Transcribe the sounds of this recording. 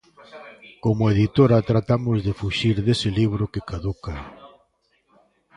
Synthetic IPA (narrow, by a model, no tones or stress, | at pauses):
komoeðit̪oɾat̪ɾat̪amʊzðefuʃiɾðesɪliβ̞ɾʊkɪkaðuka